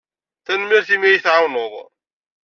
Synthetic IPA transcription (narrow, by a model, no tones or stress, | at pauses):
θænmiɾθimijiθʕawnʊðˤ